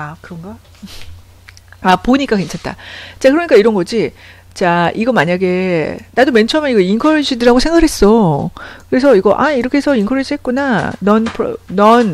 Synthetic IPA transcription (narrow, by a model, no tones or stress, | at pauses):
akɯɾʌŋɡa | apoɲik͈ake̞nt͡ɕʰant͈a̰t͡ɕ͈akɯɾʌɲik͈aiɾʌnɡʌd͡ʑi | t͡ɕaʔiɡʌmaɲaɡe̞nadoment͡ɕʰamjaniɡʌinkʰʌɾɕʰidɯɾaɡosʰe̞ŋɡaɾɦe̞s͈ʌkɯɾesʰʌiɡʌʔa̰iɾʌkʰesʰʌinkʰʌɾeɕʰiɦet̚k͈unanʌnpʰnʌn